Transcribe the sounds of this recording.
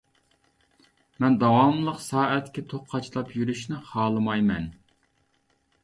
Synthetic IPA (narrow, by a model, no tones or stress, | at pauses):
mɛnd̪ɑwɑmlˠəqsɑːɛt̪kʲɛt̪ʰoχqʰːɑt͡ʃlˠɑpjyɾyʃnɪχɑːlˠɨmɑjmɛn